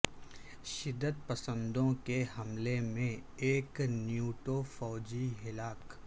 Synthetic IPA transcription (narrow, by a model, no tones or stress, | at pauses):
ʃɪd̪ːət̪̚pɐsə̃nd̪õkehɐmlemẽeːknjuːʈofɔːd͡ʒiɦɪlaːk